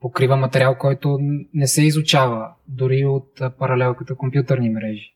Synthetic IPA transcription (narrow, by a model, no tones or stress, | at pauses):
pokɾivəmɐt̪ɛɾʲialˠkɔjt̪ʊnɛsɛizʊt͡ʃavəd̪ʊɾiot̪̚ːpɐɾɐlɛlˠkət̪əkompjut̪əɾnimɾɛʒi